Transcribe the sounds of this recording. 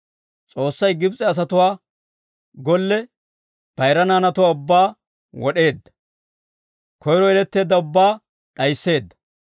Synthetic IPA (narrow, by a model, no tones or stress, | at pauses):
t͡sʼo̞ːsːɐjɡɪbt͡sʼɛɐs̬ɐt̪ʊwaː | ɡɔlːɛ | pɐjɾɐnaːnɐt̪ʊwaːʊbːaː | wɔɗe̞ːd̪ːɐ̥ | kʰɔjɾɔɛlɛt̪ːe̞ːd̪ːɐʊbːaː | ɗɐjsːe̞ːd̪ːɐ̥